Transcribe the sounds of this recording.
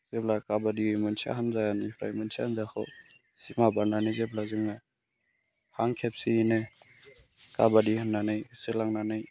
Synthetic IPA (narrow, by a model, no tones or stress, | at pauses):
z̥ep̚lakabadiɯjmɯnsʰia̰ɦanzajanipʰɾa̰jmɯnsʰiahanzaxʰɔ̰ | simabaɾnanɯjzeb̚lazɯŋa | haŋkʰep̚siine | kabadihanːanɯjselaŋnanɯj